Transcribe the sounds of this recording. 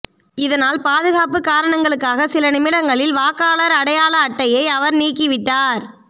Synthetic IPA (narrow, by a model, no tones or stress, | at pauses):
ɪðɐnaːlpaːðɯɣaːpɯkaːɾɐɳɐŋɡɐɭɯkːaːɣɐsɪlɐnɪmɪɽɐŋɡɐɭɪlʋaːkaːɭɐɾɐɽɐjaːlɐːʈːɐjɐɪɐʋɐɾniːkːɪʋɪʈːaːɾ